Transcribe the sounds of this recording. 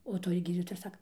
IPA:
oː ˈtoːj ˈɡʲiːdʲiːtoːjɛ ɪr ˈsɑːkɐ

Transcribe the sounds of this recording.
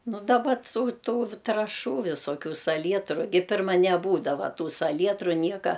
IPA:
ˈnʊ dɐˈbɐ ˈtuː ˈtuː trɐˈʃuː ʋʲɪsoːˈkʲuː sɐˈlʲiɛtrʊ ˈɡʲɪ ˈpʲɪrmɐ nʲɛˈbuːdɐʋɐ ˈtuː sɐˈlʲiɛtrʊ ˈnʲiɛkɐ

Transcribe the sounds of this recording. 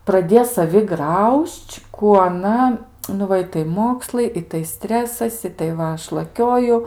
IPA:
prɐˈdʲeː sɐˈʋʲɪ ˈɡrɐʊʃʲt͡ʃʲ ˈkuː ɐˈnɐ nʊ ˈʋɐ ˈɪtɐɪ ˈmoːkslˠɐɪ ˈɪtɐɪ ˈsʲtʲrʲæːsɐs ˈɪtɐɪ ˈʋɐ ˈɐʃ lˠɐˈkʲoːjʊ

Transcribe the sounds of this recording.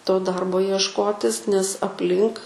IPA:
toː ˈdɐrboː iɛʃˈkoːtʲɪs nʲɛs ɐpʲˈlʲɪŋk

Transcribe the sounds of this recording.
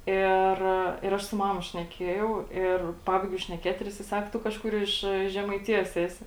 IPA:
ˈɪr ɪr ˈɐʃ sʊ ˈmɑːmɐ ʃʲnʲɛˈkʲiɛjɛʊ ˈɪr ˈpɑːbɐɪɡʲɛʊ ʃʲnʲɛˈkʲeːt ɪr ˈjɪsɐɪ ˈsɐk ˈtʊ kɐʃˈkʊr ˈɪʃ ʒʲɛmɐɪˈtʲɪjoːs ˈæːsʲɪ

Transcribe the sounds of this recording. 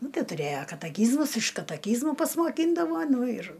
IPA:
ˈnʊ ˈtɐɪ tʊˈrʲeːjɛ kɐtɐˈkʲiːzmʊs ɪʃ kɐtɐˈkʲiːzmʊ pɐsmoːˈkʲiːndɐʋoː ˈnʊ ɪr

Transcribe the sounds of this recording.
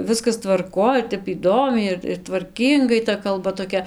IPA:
ˈʋʲɪskɐs tʋɐrˈkoːj ɪr ˈtʲɛp iːˈdoːmʲɛɪ ɪr tʋɐrʲˈkʲiːŋɡɐɪ tɐ kɐlˠˈbɐ toːˈkʲɛ

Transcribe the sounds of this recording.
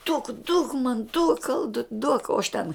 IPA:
duɔk duɔk mɐn duɔk ˈɐlˠdʊtʲ duɔk oː ɐʃ tʲɛn

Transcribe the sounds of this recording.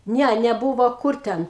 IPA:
ˈnʲɛ nʲɛˈbʊʋoː ˈkʊr ˈtʲɛn

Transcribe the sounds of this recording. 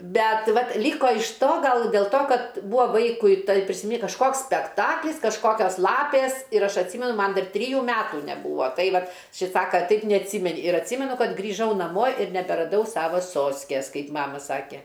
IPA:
ˈbʲɛt ˈʋɐt ˈlʲiːkoː ɪʃ ˈtoː ˈɡɐlˠ dʲeːlˠ ˈtoː ˈkɐt ˈbuːɐ ˈʋɐɪkʊɪ tɐɪ pʲrʲɪsʲɪˈmʲiː kɐʃˈkoːks sʲpʲɛkˈtɑːklʲɪs kɐʃˈkoːkʲoːs ˈlˠɑːpʲeːs ɪr ˈɐʃ ɐtʲˈsʲiːmʲɛnʊ ˈmɐn ˈdɐr ˈtʲrʲiːjuː ˈmʲæːtuː nʲɛˈbuːʋoː ˈtɐɪ ˈʋɐt ˈʃʲɪs ˈsɑːkɐ ˈtɐɪp nʲɛɐtʲˈsʲiːmʲɛnʲɪ ɪr ɐtʲˈsʲiːmʲɛnʊ ˈkɐt ɡrʲiːˈʒɐʊ nɐˈmoː ɪr nʲɛbʲɛrɐˈdɐʊ ˈsɑːʋɐ ˈsoːsʲkʲeːs ˈkɐɪ ˈmɑːmɐ ˈsɑːkʲɛ

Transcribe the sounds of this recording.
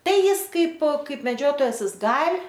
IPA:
ˈtɐɪ ˈjɪs ˈkɐɪp ˈkɐɪp mʲɛˈd͡ʒʲoːtoːjɛs ˈjɪs ˈɡɐlʲ

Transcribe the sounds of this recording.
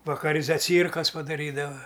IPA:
ʋɐkɐˈrʲɪ zɐˈt͡sʲiːrkɐs pɐdɐˈrʲiːdɐʋɐ

